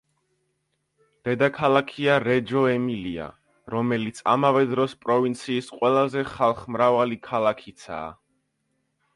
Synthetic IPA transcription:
d̪̥ɛd̪akʰalˠakʰiaɾɛd͡ʒɔɛmilia̰ | ɾɔmɛlit̪sʰa̰mavɛd̪ɾɔspʼɾɔvint̪sʰiːsqʼwɛlˠazɛχalˠχmɾavalikʰalˠakʰit̪sʰa̰ː

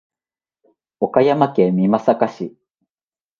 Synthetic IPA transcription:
o̞kajamakẽmʲimasakaɕi

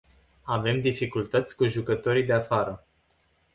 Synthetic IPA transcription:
ave̞md̪ifikult̪ət̪sʲkuʒukət̪o̞ɾijd̪e̞afaɾə

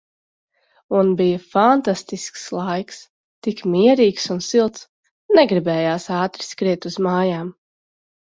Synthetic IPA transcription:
unbijəfant̪ast̪iskslˠajks | t̪ikmiɛɾiːksunsilˠt̪s | nɛɡɾibɛːjaːsaːt̪ɾiskɾiɛt̪uzmaːjaːm

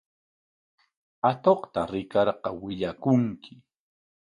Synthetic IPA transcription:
at̪oχt̪aɾɪkɑɾqɑwɪʎakʊŋkʰɪ

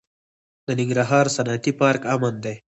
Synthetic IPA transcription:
d̪̥ənɪŋɡɾaɦɑːɾsanat̪ipɑɾkamand̪ej

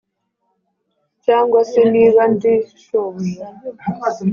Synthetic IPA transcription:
t͡ʃaŋɡwasiniɣandiʃɔmi

